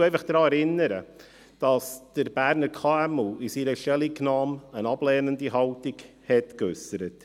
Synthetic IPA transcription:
ɛɪfɑχd̥ɾɑːɛɾɪnəɾə | d̥ɑsd̥əɾbæɾnəɾkʰɑːɛmuːɪsiɾəʃtɛliknɑːmənɑblɛːnəndiɦɑltɪɡ | hɛtkʏsəɾət

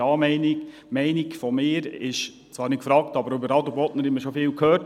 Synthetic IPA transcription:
ɑːmɛɪniɡ | mɛɪniɡfɔmɪːɾɪʃ | t͡svɑːɾnɪtkfɾɑːktɑbəɾøbəɾɑd̪ubɔtnəɾhɛməʃɔfɪːlkʰøːɾt

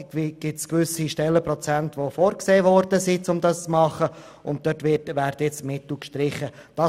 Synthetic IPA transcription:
ɡ̥ɪtskʋʏsiʃtɛlːəpɾɔt͡sæntʋofɔːɾkseːvɔɾdəsit͡sʊmdɑst͡smɑχə | ʔʊnt̚d̥œtʋɪtʋæːɾdjɛt͡stmɪtl̩kʃtɾɪχə | d̥ɑ

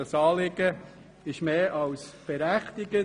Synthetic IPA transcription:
ɑsɑːlɪɡə | ɪʃmeːʔɑwsb̥ɛɾæχt̪ɪɡə

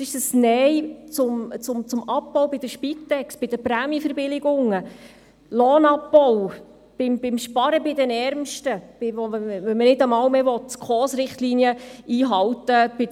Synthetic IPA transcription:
sɪʃəsnɛjt͡sʊmt͡sʊmt͡sʊmɑpːɔwbɪd̥̪əʃpitːɛksb̥ɪd̥̪əpɾæːmjəfəɾbɪlɪɡʊŋːə | lɔːnɑpbɔw | b̥ɪmbɪmʃpɑɾəbɪd̪ɛnɛɾmʃtəb̥ɪʋɔɛʋɛmənɪdəmɑwmɛʋɔt̪ːkʰɔːsɾɪχt̪linjəiːɦɑwtəb̥ɪ

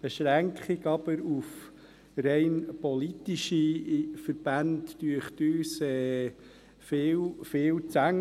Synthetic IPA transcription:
b̥eʃɾæŋkχiɡɑb̥əɾuf | ɾɛɪnpɔlit̪iʃifəɾb̥ændːyəχt̪yːsɛː | fɪːwfɪːwt͡sæŋ

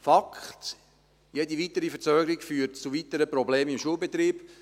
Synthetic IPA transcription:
fɑkχt̪ | jedivitəɾifəɾt͡sœːɡəɾikfyːtt͡suvitəɾəpɾɔbleːmimʃuəlˠbet̪ɾiːb̥

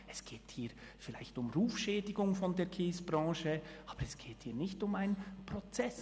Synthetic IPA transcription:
ɛsɡ̥eːthiː | fɪlaɪçtʊmɾuːfʃɛːdɪɡʊŋfɔndeːkʰeːsb̥ʁɑ̃ːʃəʔɑːb̥əɾɛsɡ̥eːthiːɐnɪçtʊmaɪnpʁɔt͡sɛs

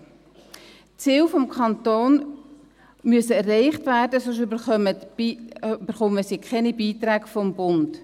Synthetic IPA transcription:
t͡siːlfɔmkʰχɑnt̪oːn | myəsəɛrːɛɪχtvæːrdəsoʃbə | bəɾχɔməsikχɛnibiːtɾæːɡfɔmbʊnd

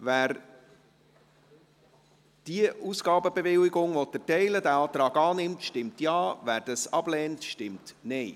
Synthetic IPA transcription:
væːɾ | d̥iəuːsɡ̥ɑːbəbevɪlɪɡʊŋʋot̪ətɛɪlədæɑːt̪ɾɑːɡɑːnɪmtʃtɪmtjɑːvæːɾd̥ɑsɑb̥lɛːntʃtɪmtnɛɪ

